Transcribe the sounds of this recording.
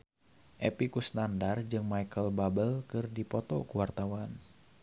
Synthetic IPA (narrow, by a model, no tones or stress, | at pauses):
ʔepikusnandard͡ʒɨŋmajkəlbabəlkɨrdipɔt̪ɔkuwart̪awan